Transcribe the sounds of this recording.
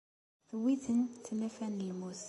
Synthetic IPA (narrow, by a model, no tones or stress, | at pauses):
θəwiθənθmæfænəlmuθ